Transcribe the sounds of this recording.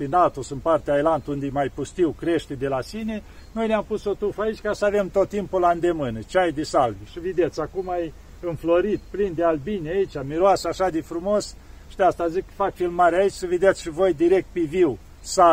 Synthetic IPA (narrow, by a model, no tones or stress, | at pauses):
pinat̪osɨnpart̪eajlant̪und̪ejmajpust̪iwkɾe̞ʃt̪ed̪e̞lasine̞ | no̞jneampuso̞t̪ɾufait͡ʃʲkasəave̞mt̪o̞t̪ːimpuland̪e̞mɨnət͡ʃeajd̪esalviʃived̪et̪sʲakumaj | ɨnflo̞ɾit̪plind̪ealbinjait͡ʃʲamiɾoasəaʃad̪efɾumos | ʃi̥d̪east̪azikːəfak̚t͡ʃelmaɾeait͡ʃʲsəved̪et̪sʲʃivo̞jd̪iɾek̚t̪̚peviw | sa